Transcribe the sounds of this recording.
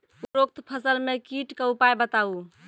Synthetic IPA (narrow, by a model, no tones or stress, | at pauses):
uɾok̚t̪pʰəsəlmekiʈkəupajbət̪au